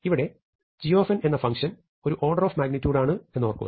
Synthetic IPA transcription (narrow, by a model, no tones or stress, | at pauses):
iʋiɽe̞ | d͡ʑijoːfɐne̞nːɐfɐŋʂɐn | o̞ɾuʔo̞ːrɖɐroːfmaːɡnitʲːuːɖaːɳɨe̞nːuʋɐrkːṵɐ̰